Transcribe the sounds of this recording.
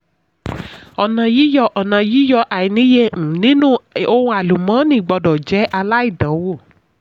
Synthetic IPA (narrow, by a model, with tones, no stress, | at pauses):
ɔ˨nã˨ji˦jɔ˧ʔɔ˨nã˨ji˦jɔ˧ʔa˨i˨nĩ˨˦jẽ˧˨˦nĩ˦nũ˦o˧hũ˧a˨lu˨mã˨˦nĩ˦˨ɡ͡bɔ˧˨dɔ˨d͡ʒɛ˨˦ʔa˧la˦i˦˨dã˨˦wo˦˨